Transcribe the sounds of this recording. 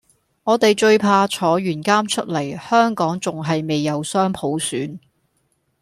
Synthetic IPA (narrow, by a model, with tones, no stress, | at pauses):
ŋɔː˨˧t̪e˨jt͡ʃɵ˧ɥpʰaː˧t͡ʃʰɔː˨˥ɥyː˨˩nkaː˥mt͡ʃʰɵ˥t̚lɐ˨˩jhœː˥ŋkɔː˨˥ŋt͡sʊ˨ŋɦɐ˨jme˨jːɐ˨˧wsœː˥ŋpʰo˨˥wsyː˨˥n